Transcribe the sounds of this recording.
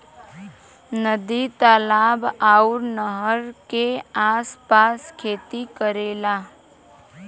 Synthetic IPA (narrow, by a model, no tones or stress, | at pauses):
nəd̪it̪alaːbaːuɾnəɦəɾkeaːspaːskʰeːt̪ikəɾeːlaː